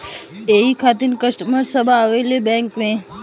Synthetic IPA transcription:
eikʰat̪inkəʃʈməɾsəbʱaːʋelebɛ̃ŋkmẽ

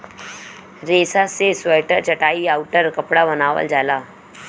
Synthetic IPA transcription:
ɾesasesʋəjʈət͡ɕəʈaiːauʈəɾkəpɽaʋənaʋə̰ld͡zʱala

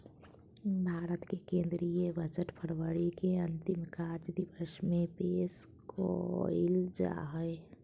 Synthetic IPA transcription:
bʱaːɾət̪kekẽːnd̪ɾiebət͡ʃət̪pʰəɾwəɽikeə̃nt̪imkaːɾʈd̪iʋəsmẽpeːs | ko̰ild͡ʒa̰ɦəe

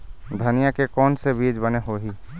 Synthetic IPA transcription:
d̪ʱɐnijakekɔːnsebiːd͡ʒbəneɦoɦiː

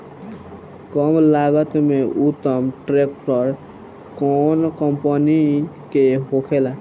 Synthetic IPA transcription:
kɔmlaɡət̪meʔut̪ːəmʈɾek̚ʈəɾ | kɔnkəmpəni | keɦokʰela

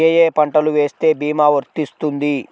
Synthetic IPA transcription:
ejeːpɐɳʈɐluʋeːst̪e̞ːbiːmaːʋɐɾt̪ist̪und̪i

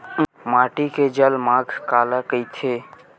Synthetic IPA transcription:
maːʈiked͡ʒəlmãːɡʱkaːlakəjt̪ʰe

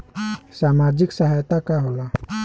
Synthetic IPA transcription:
samad͡ʒɪksəɦajt̪akaɦola

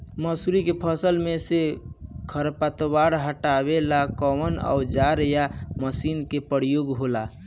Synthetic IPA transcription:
məsuɾikepʰəsəlmesekʰəɾpət̪waɾɦəʈaβelakəməna̰ud͡ʒaɾjaməsinkepəɾijoɡɦola

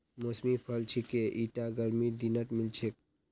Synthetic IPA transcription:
mosmipʰəlt͡ʃʰikeʔiʈaɡəɾmid̪inət̪milt͡ʃʰek̚

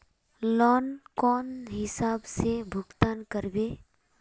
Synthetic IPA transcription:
lɔːnkɔːnɦɪsaːbsebʱʊɡt̪aːnkəɾbeː

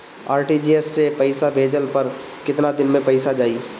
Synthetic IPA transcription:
aːɾʈid͡ʒiːɛsːepɐɪsabʱeːd͡ʒəlpɐɾ | kɪt̪nad̪ɪnmẽpɐɪsad͡ʒaːiː

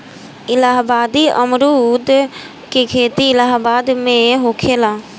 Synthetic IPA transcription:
ɪlaːɦbaːd̪iəmɾud̪ | kekʰeːt̪iɪlaːɦbaːd̪mẽɦoːkʰeːlaː

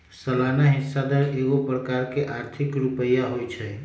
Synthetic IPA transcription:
səlanaɦisːad̪əɾeɡopɾəkaɾkeʔaɾt̪ʰikɾupəjaɦojt͡ʃʰɛ

